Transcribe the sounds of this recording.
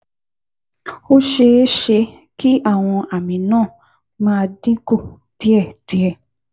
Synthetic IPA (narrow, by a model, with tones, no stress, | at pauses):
o˦ʃe˧˦ʃe˧ | ki˦a˦˨w̃ɔ̃˧a˨mĩ˨nãː˦˨ | mãː˦˧dĩ˦ko˦˨ | ti˨˦ɛ˦˨ti˨˦ɛ˦˨